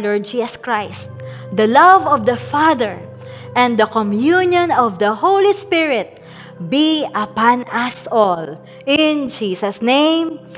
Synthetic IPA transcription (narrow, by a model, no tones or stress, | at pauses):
lɔɹd͡ʒisɐskɹajst̪̚ | d̪ɐlavɔvd̪ɐfaðɛɹ | ʔɛ̃nd̪ɐkɔmjunjɔ̃nɔvd̪ɐhowlispɪɹɪt̪̚ | biɐpãnɐsɔl | ɪ̃nd͡ʒiːsɐsnẽjm